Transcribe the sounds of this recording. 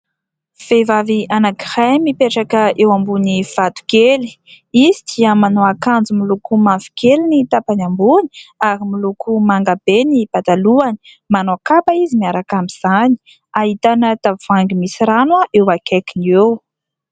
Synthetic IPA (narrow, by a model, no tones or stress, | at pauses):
v̥evavianaki̥hajmipeʈ͡ʂakəewambuniv̥at̪u̥keli̥ | izid̪iəmanoakand͡zumilukumavi̥kelinit̪apanambuni̥aɾimilukʰumaŋɡab̥enib̥at̪aluani̥ | manoakapaizimiaɾakamiz̥ani̥ | aɦit̪anət̪av̥aŋɡimisiɾanwaʔewakakiniew